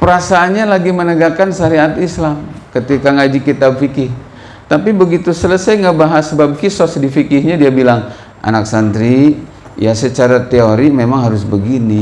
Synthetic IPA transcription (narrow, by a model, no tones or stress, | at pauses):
pəɾasaːnɲalaɡimənəɡakanʃaɾiat̪islamkət̪ikaŋad͡ʒikit̪ab̚fikɪh | t̪apibəɡit̪usələsajŋəbaɦasəbab̚kisɔsdifikɪhɲadiabilaŋ | ʔa̰nak̚sand̪ɾi | jasət͡ʃaɾat̪eoɾimemaŋɦaɾʊsbəɡini